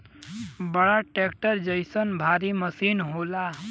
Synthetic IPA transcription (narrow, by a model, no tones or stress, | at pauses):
bəɽaʈekʈəɾd͡ʒəjsənbʱaɾiməsinɦola